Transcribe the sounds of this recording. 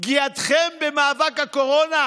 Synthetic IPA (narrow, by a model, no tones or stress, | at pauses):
ɡiat̪χembemaːvakhakoʁona